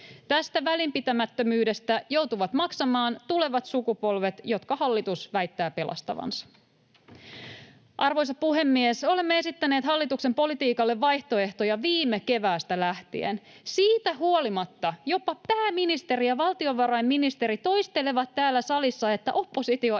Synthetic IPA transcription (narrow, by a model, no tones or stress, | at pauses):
t̪æst̪æʋælimpit̪æmæt̪ːømyːde̞st̪æjo̞wt̪uʋɑt̪mɑksɑmɑːnt̪ule̞ʋɑt̪sukupo̞lʋe̞t̪jo̞t̪kɑhɑlːit̪usʋæjt̪ːæːpe̞lʔɑ̰st̪ɑ̰ʋɑ̰nsɑ̥ | ʔɑrʋo̞js̬ɑpuɦe̞mːieso̞le̞mːee̞sit̪ːæne̞ːt̪hɑlːit̪uksempo̞lit̪iːkɑlːeʋːɑjht̪o̞e̞ht̪ojɑʋiːmːeke̞ʋæːst̪ælæht̪ḭḛn | siːt̪æɦuolimɑt̪ːɑjo̞pɑpæːminist̪e̞ɾijɑʋɑlˠt̪io̞ʋɑɾɑjmːinist̪e̞ɾit̪o̞jst̪e̞le̞ʋɑt̪ːæːlːæsɑlisːɑe̞t̪ːæʔo̞pːo̞sit̪io